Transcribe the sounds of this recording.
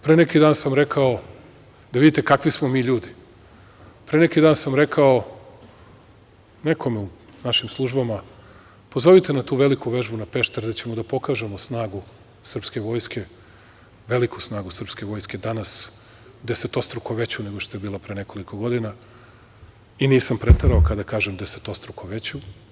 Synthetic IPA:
pɾenekid̪aːnsamɾe̞kʰao | d̪aʋid̪it̪ekakʋismo̞miːʎuːd̪i | pɾenekid̪aːnsamɾe̞kʰao̞ | ne̞kʰo̞meu | naʃimslˠuʒbama | po̞zo̞ʋit̪e̞nat̪uːʋe̞likuʋe̞ʒbunape̞ʃt̪aɾd̪at͡ɕe̞mod̪apo̞kaːʒe̞mosnaːɡu | sr̩pske̞ʋo̞ːjske̞ | ʋe̞likʰusnaːɡusr̩pske̞ʋo̞jske̞d̪anas | d̪e̞set̪ost̪ɾukoʋe̞t͡ɕune̞ɡoʃt̪ojebiːlˠapɾene̞ko̞liko̞ɡo̞d̪ina | iniːsampɾet̪eɾaokad̪akaːʒemd̪ese̥t̪ost̪ɾukoʋe̞t͡ɕu

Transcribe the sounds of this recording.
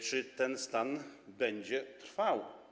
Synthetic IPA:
t͡ʂɨt̪ɛnst̪anbɛɲd͡ʑɛt̪ɾfaw

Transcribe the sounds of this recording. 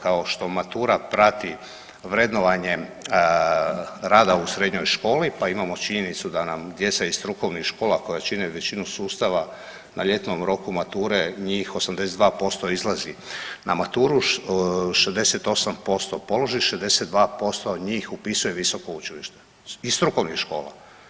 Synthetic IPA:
kao̞ʃt̪o̞mat̪uːɾapɾat̪i | ʋɾe̞d̪no̞ʋaɲe | ɾaːd̪ausɾe̞d̪ɲo̞jʃko̞ːlipaimamo̞t͡ʃiɲe̞nit̪sud̪anamd̪je̞t̪saist̪ɾuko̞ʋnixʃko̞ːlako̞jat͡ʃineʋet͡ɕinusuːst̪aʋa | nʔaʎe̞t̪nomɾo̞kumat̪uːɾe̞ɲiːxo̞samd̪e̞set̪d̪ʋaːpo̞st̪o̞izlˠazinamat̪uːɾu | ʃezd̪eset̪o̞sampo̞st̪o̞po̞lo̞ʒiʃezd̪e̞set̪d̪ʋaːpo̞st̪oɲiːxupisuje̞ʋiso̞ko̞ut͡ʃiliʃt̪e | ist̪ɾuko̞ʋnixʃko̞ːla̰

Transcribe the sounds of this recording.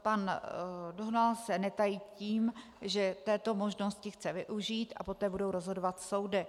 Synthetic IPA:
pandoɦnalsɛnɛt̪ajiːciːm | ʒɛt̪ɛːt̪o̞mo̞ʒno̞scɪxt͡sɛvɪʔuʒiːt̪ʔa̰po̞t̪ɛːbudowɾozɦo̞dovat̪so̞wdɪ

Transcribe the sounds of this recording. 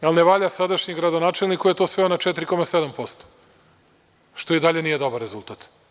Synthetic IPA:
alneʋaːʎasad̪aʃɲeɡɾad̪onaːt͡ʃelnikujet̪osʋeonat͡ʃet̪ɾiko̞mased̪ampo̞st̪o̥ | ʃt̪o̞id̪aʎe̞nije̞d̪o̞baɾːezulˠt̪at̪

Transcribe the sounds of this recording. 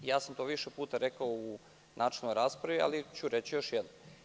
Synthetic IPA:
jaːsamt̪oʋiʃepuːt̪aɾekaou | nʔaːt͡ʃelnojɾaːspɾaʋia̰lit͡ɕuɾet͡ɕijo̞ʃjɛd̪nom

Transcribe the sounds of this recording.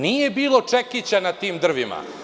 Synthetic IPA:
nije̞biːlˠo̞t͡ʂekit͡ɕanat̪iːmd̪r̩ʋima̰

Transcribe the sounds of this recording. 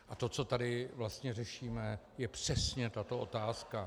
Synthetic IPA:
ʔat̪o̞t͡so̞t̪adɪvlast̪ɲɛrɛʃiːmɛ | jɛpr̝̥ɛsɲɛt̪at̪o̞ʔo̞t̪aːska

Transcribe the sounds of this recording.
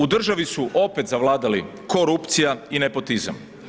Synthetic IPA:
ud̪r̩ʒaʋisuʔo̞pe̞t̪zaʋlˠaːd̪ali | ko̞ɾupt̪sijaine̞po̞t̪iza̰m

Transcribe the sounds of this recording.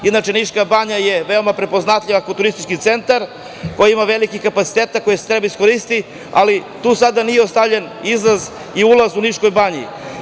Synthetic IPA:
id̪nat͡ʃeniʃkabaɲaje̞ʋe̞o̞mapɾe̞po̞znat̪ʎʲiʋakot̪uɾist̪i̥t͡ʃkit̪se̞nt̪aɾ | kojaimaʋe̞likixkapat̪si̥t̪eːt̪ako̞jese̥t̪ɾebaisko̞ɾist̪i | a̰lit̪uːsad̪anijeost̪avʎen | izlaz | iulazuniʃko̞jbaɲḭ

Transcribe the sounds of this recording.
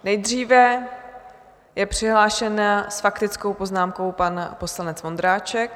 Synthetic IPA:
nɛjd̪riːvɛ | jɛpr̝̥ɪɦlaːʃɛnasfakt̪ɪt͡skowpo̞znaːmko̞wpanpo̞slanɛt͡svo̞nd̪ɾaːt͡ʃɛk

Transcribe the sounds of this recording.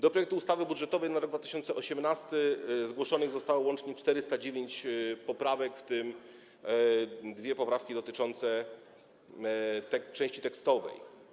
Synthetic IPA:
d̪ɔpɾɔjɛk̚t̪uːst̪avɘbudʐɛt̪ɔvɛjnaɾɔɡd̪vat̪ɘ̥ɕɔnt̪sɛʔɔɕɛmnast̪ɘzɡwɔʂɔnɘɣzɔst̪awɔwɔnt͡ʂɲɛt͡ʂt̪ɛɾɘst̪ad͡ʑevʲjeɲt͡ɕpɔpɾavɛkft̪ɘm | d̪vʲjɛpɔpɾafkʲid̪ɔt̪ɘt͡ʂɔnt̪sɛ | t̪ɛt͡ʂɛ̃w̃ɕt͡ɕit̪ɛkst̪ɔvɛ̰j

